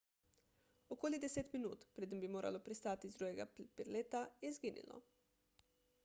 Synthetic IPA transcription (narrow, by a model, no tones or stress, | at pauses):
okoːlid̪ɛseːt̪minṵːt̪pɾeːd̪imbimoːɾʔa̰lopɾist̪aːt̪izd̪ɾuːjɛɡa̰pɛɾleːt̪ajɛizɡiːnḭlɔ̰